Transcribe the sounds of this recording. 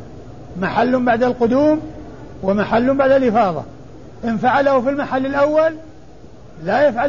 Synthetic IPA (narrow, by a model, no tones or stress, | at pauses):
maħalːʊmbaʕd̪alqʊd̪uːm | wɪmaħalːʊmbaʕd̪alʔɪfɑːðˤɑ̰ | ʔɪnfaʕalahʊfilmaħalːɪlʔawːalː | ajafʕa